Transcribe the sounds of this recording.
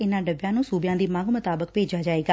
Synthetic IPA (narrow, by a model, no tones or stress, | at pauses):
ɪnãːɖəbjãːnũːsuːbɪjãːd̪iːmãŋɡmʊt̪aːbəkpeːd͡ʒaːd͡ʒaːeːɡaː